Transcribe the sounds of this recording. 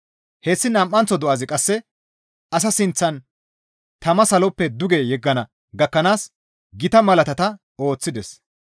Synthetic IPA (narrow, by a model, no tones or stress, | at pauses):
heːsːɪnɐmʔːɐnt͡sːɔd̪ɔʔɐzɪkʼɐsːɛ | ɐs̬ɐsɪnt͡sːɐn | t̪ɐmɐsɐlɔpːɛd̪ʊɡejɛɡːɐnɐ | ɡɐkːɐnaːs | ɡɪt̪ɐmɐlɐt̪ɐt̪ɐ | o̞ːt͡sːɪd̪ɛs